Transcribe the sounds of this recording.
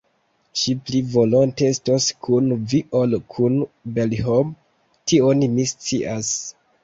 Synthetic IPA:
ʃiplivo̞lonteestoskʰunviʔolkʰunbelɦom | tionmist͡siʔas

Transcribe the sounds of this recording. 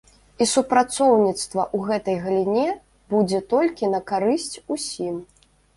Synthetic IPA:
isupɾat̪sɔwnʲit̪st̪vɐʔuɣɛt̪ɐjɣɐlʲinʲɛ | bud͡zʲɛt̪ɔlʲkʲinɐkaɾɨsʲt͡sʲusʲim

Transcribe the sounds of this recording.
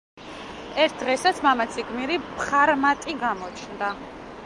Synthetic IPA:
ɛɾt̪̚ʰd̪ʁɛsat̪sʰmamat̪sʰiɡmiɾipχaɾmat̪ʼiɡamɔt͡ʃʰnd̪a

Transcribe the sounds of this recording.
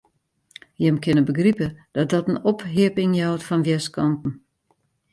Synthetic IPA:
jɛmkʰɪnəbəɡripəd̥ɔt̚dɔtənɔpɦiəpɪŋjawtfɔnʋjɛskʰɔntn̩

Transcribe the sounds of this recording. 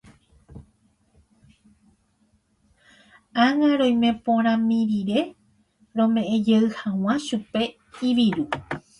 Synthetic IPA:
aŋaɾõ̞jmẽ̞põɾ̃ãmĩɾiɾe̞ | ɾõ̞mẽ̞ʔẽd͡ʒeɨhãw̃ãʃupe̞ | iʋiɾu

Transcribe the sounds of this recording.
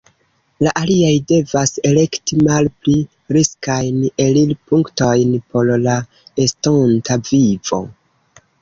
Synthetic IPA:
laʔaliajde̞vase̞le̞ktimalpli | ɾiskajne̞lilpuŋkto̞jnpo̞ɾla | estontavivo̞̰

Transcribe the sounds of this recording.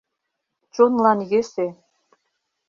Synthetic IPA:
t͡ɕonlɑnjese

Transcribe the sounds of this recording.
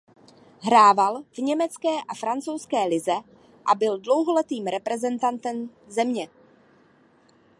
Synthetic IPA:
ɦɾaːvalvɲɛmɛt͡skɛːʔafɾant͡sowskɛːlɪzɛ | ʔabɪldlo̞wɦolɛt̪iːmɾɛpɾɛzɛnt̪ant̪ɛm | zɛmɲɛ

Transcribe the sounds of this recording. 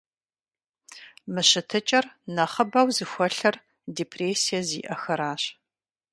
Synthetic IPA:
mɨɕɨtʰɨt͡ʃʼɐrnɐχəbɐwzɨxʷɔɬɐr | deːpʰreːsijɐzḭːʔɐxɐɾaːɕ

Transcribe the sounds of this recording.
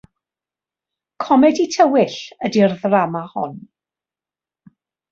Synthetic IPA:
kʰɔmɛditʰəwɪɬədirðramahʊ̰n

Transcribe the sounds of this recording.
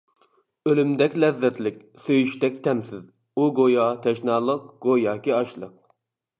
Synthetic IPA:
ølymd̪ɛkʲlɛzːɛt̪lɪkʲ | søjyʃt̪ɛkʲt̪ʰɛmsɪz | uɡojɑt̪ʰɛʃnɑːlˠəqɡ̥ojɑːkʲiɑʃlˠə̰q̚

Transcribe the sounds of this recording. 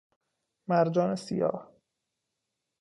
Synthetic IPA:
mæɾd͡ʒɒːnesḭjɒ̰ːh

